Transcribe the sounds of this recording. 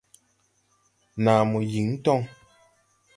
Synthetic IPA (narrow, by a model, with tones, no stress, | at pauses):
na˨mu˨ji˨˦ŋ˦tɔ˦ŋ